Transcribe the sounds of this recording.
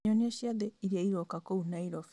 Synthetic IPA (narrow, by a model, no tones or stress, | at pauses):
onieʃiaðeiɾiaiɾokakounaiɾof